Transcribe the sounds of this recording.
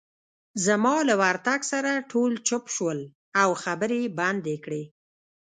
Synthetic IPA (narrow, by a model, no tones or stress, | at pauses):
zamɑlawaɾt̪aɡsaɾaʈʰolt͡ʃʊpʃwəl | awxabəɾeband̪ekɽe